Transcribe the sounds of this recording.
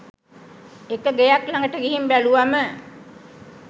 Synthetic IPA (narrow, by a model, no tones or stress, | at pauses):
ekəɡejaklaŋɡəʈəɡiɦimbæluʋamə